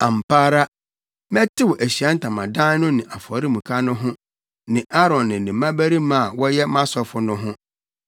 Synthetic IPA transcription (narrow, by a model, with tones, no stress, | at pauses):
ã˨m̩˨pʰaː˦ɾa˦ | mɛ˦tʰɪ˦wɔ˨ʔæ˨ɕi˨a˦n̩˦tʰã˨mã˨dã˦n˦nʊ̃˦nɪ̃˨ʔa˨fɔ˨ɾi˦mũ˨kʰa˦nʊ̃˦ɦʊ̃˦ | nɪ̃˨ʔa˦ɾɔ̃˨nːɪ̃˨nɪ̃˨mã˦bæ˦ɾi˦mã˦˨wɔ˦jɛ˦mã˦sɔ˨fʊ˨nʊ̃˦ɦʊ̃˦